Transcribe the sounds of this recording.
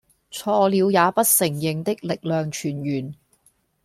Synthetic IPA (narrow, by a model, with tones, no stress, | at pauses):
t͡sʰɔː˧liː˨˧wjaː˨˧pɐ˥t̚sɪ˨˩ŋjɪ˨ŋt̪ɪ˥k̚lɪ˨k̚lœː˨ŋt͡ʃʰyː˨˩njyː˨˩n